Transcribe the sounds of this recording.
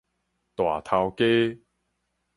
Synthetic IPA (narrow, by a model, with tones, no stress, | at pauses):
t̪wa̰˨˩t̪ʰa˧wke˦